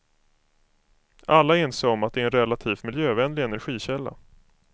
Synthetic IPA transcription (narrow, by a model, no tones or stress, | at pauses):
alːaenseːɔmat̪̚d̪ɛæɾɛnɾɛlːat̪ʰiːft̪mɪljøːvɛnlɪɡɛnæɾɧiːɕɛlːa̰